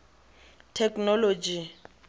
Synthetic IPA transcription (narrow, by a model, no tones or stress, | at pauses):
tʰɛknɔlod͡ʒi